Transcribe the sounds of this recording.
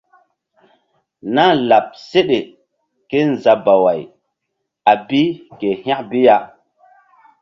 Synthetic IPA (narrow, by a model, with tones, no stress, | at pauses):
na˦la˨p̚se˦ɗe˨ | ke˦n˨za˨ba˨wa˨j | a˨bi˦ke˨hã˦kbi˦ja˦